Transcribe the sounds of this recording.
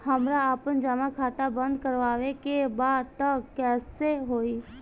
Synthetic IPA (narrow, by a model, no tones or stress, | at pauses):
həmɾaəpənd͡ʒamakʰaːt̪abə̃nd̪kəɾʋaːʋekebaːd̪̚t̪əkkɛːseɦoːi